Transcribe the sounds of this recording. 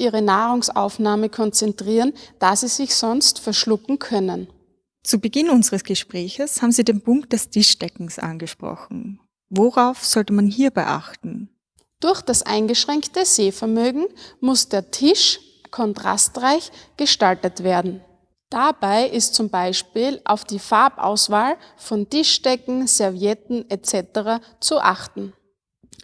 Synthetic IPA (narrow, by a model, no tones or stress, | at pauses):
ʔiːʁənaːʁʊŋsa̰ʊfnaːməkʰɔnt͡sɛntʁ̥iːʁənd̥aːziz̥ɪçsɔnstfɛɐʃlʊkŋ̩kʰœnən | t͡subəɡɪnʊnzəʁəsɡ̥əʃpʁ̥ɛːçəshaːbm̩ziːdeːnpʊŋk̚t̚d̥ɛstʰɪʃd̥ɛkŋ̩sʔa̰nɡəʃpʁ̥ɔ̰xn̩ | voʁaʊfz̥ɔltəmanɦiːɐbaɪʔa̰xtn̩ | d̥ʊɐçd̥asʔa̰ɪnɡəʃʁ̥ɛŋktəz̥eːfɛɐmøːɡŋ̩mʊsd̥eːɐtʰɪʃ | kʰɔntʁ̥a̰stʁaɪçɡ̥əʃtaltətv̥eːɐdn̩ | d̥abaɪʔɪstt͡sʊmbaɪʃpiːlʔa̰ʊfd̥iːfaɐpʔa̰ʊsv̥aːlfɔntɪʃd̥ɛkŋ̩z̥ɛɐvjɛtn̩ɛt͡sɛtəʁa | t͡suʔa̰χtn̩